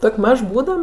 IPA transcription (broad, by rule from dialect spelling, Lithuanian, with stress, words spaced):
ˈtoːkʲ ˈmɐʃ ˈbuːdɐm